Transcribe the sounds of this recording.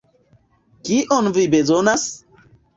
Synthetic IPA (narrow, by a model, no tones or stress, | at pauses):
kiʔɔnvibezonas